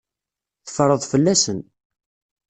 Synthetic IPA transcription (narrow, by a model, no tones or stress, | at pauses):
θə̥fəɾˤəðˤfəlːæsən